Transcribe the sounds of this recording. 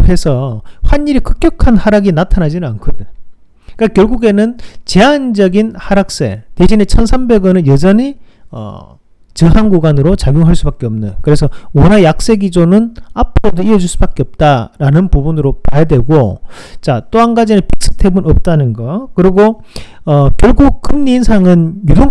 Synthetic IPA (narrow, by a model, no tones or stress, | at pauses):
he̞sʰʌɸwanːiɾikɯ̥k͈jʌkʰanhaɾaɡinatʰanad͡ʑinɯnankʰode | k͈akjʌɭɡuɡe̞nɯnt͡ɕe̞and͡ʑʌɡinhaɾak̚s͈e̞̰ted͡ʑine̞t͡ɕʰʌnsʰambe̞ɡʌnɯnjʌd͡ʑʌɲi | ʌ̰ | t͡ɕɯɦanɡuɡanɯɾot͡ɕaɡjoŋɦaɭs͈ubak͈e̞ʌmnɯnkɯɾe̞sʰʌwʌnajak̚s͈e̞ɡid͡ʑonɯnapʰɯɾodoiʌd͡ʑuɭs͈ubak͈eʌp̚t͈aɾanɯnpubunɾopajadwe̞ɡot͡ɕat͈oanɡad͡ʑinɯnpik̚s͈ʰɯ̥tʰe̞bunʌp̚t͈anɯnɡʌkɯɾiɡo | ʌkjʌɭɡuk̚k͈ɯmɲiːnsʰaŋɯnjudoŋ